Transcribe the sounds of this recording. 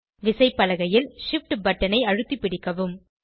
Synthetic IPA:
ʋɪsɐɪpːɐlɐɣɐjɪlʂɪfʈbɐʈːɐnɐɪɐɻɯt̪ːipːɪɽɪkːɐʋɯm

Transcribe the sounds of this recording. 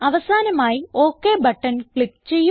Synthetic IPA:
ɐʋɐsaːnɐmaːjioːkːeːbɐʈːɐnkɭikːt͡ɕe̞jːu

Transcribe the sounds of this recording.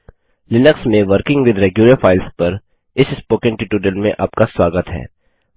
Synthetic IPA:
lɪnəksmẽʋəɾkɪ̃ŋɡʋɪd̪ɾɛːɡjʊləɾfaːɪlspɐɾ | ɪsɪspoːkə̃ɳʈɪʈuːɖəlmẽʔaːp̚kasʋaːɡət̪ɦɛ̰ː

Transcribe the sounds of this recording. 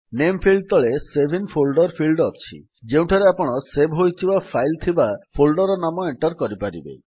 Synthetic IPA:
nempʰilɖ̚t̪ɔɭesebʱinpʰolɖɔɾpʰilɖɔt͡ʃʰḭ | d͡ʒew̃ʈʰaɾeapɔɽ̃ɔsebɦojt̪ʰibapʰajlt̪ʰibapʰolɖɔɾɔnamɔeɳʈɔɾkɔɾipaɾḭbḛ

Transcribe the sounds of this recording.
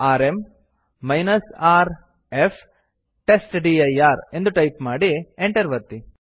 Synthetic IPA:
aːɾe̞mː | ɐjnɐsaːɾ | efʰ | ʈe̞sʈɖiɐjaːɾe̞nd̪uʈɐjpmaːɽieɳʈɐɾʋɐɾt̪i

